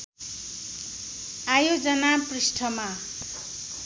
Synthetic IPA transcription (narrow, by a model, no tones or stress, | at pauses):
ajod͡zʌnaprisʈʰʌma